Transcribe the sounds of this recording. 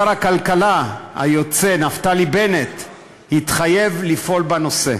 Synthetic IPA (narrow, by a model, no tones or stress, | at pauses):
aɾakalkalaha̰jo̞t͡se̞naftalibe̞ne̞t̪ | hit̪χaje̞vlifo̞lbano̞se̞̰